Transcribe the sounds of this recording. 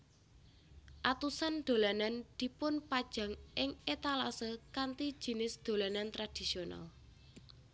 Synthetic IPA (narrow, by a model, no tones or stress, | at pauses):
ʔat̪usand̪̥o̤lanand̪̥i̤pʊnpad̥ʒ̥a̤ŋʔɪŋet̪alasəkant̪i̥ʒ̥i̤nɪsd̪̥o̤lanant̪ɾad̪̥i̤siona̰l